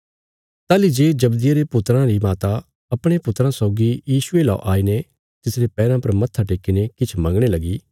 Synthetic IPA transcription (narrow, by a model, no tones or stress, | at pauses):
t̪aːlid͡ʒeːd͡ʒɐbd̪ɪjaɾepʊt̪ɾãɾimaːt̪a | ɐpɽ̃epʊt̪ɾãsɔːɡijiːsʊela̰ʔaːine | t̪ɪsɾepɛːɾãpɐɾmɐt̪ʰːaʈeːkːinekɪt͡ʃʰmɐ̃ŋɡɽ̃elɐɡiː